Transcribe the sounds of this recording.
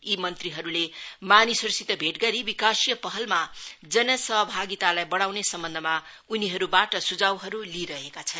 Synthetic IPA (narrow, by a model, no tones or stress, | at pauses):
imʌnt̪riɦʌɾulemanisʌɾsit̪ʌbʱeʈɡʌɾibikasijʌpʌɦʌlmad͡zʌnʌsʌɦʌbʱaɡit̪alajbʌɽ̃awnesʌmbʌnd̪ʱʌma | uniɦʌɾubaʈʌsud͡zawɦʌɾuliɾʌɦekat͡sʰʌn